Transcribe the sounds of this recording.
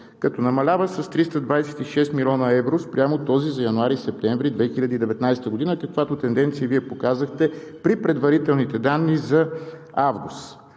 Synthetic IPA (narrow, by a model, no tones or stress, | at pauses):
kɐt̪ɔnɐmɐlʲavəsɐst̪ɾist̪əd̪vajsɛ̥t̪iʃɛst̪milʲɔnəɛvɾospɾʲjamot̪ɔzizɐjɐnuaɾisɛp̚t̪ɛɱvɾid̪vɛxilʲɐd̪iid̪ɛvɛt̪najst̪əɡod̪inəkɐkvat̪ot̪ɛnd̪ɛnt̪sijəviɛpokazəxt̪ɛpɾipɾɛd̪vɐɾit̪ɛlˠnit̪ɛd̪anːizɐ | avɡṵst̪